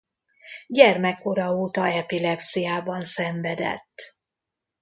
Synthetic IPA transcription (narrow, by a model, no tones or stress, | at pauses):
ɟɛrmɛkːo̞ɾɒoːt̪ɒɛpilɛpsijaːbɒnsɛɱvɛd̪ɛ̰t̪ː